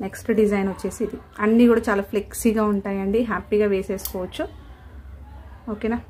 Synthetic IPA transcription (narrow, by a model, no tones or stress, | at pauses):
neksʈɐɖizɐjnʋɐt͡ʃːe̞ːsiːd̪i | ɐnːiːkuːɽaːt͡ʃaːlaːpʰleksiɡaːuɳʈaːjɐɳɖiɦaːpiːɡaːʋeːseːsu̥kɔːʋɐt͡ʃːu | oːkeːnaː